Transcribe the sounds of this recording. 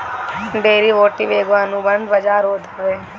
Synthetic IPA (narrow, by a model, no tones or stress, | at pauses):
ɖeːɾiːʋoːʈiːʋeːɡʋaːnũbəɳbəd͡ʒaːɾoːd̪əʋeː